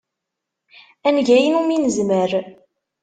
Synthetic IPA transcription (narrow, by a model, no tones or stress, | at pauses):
ænʝæjənuminəzməɾ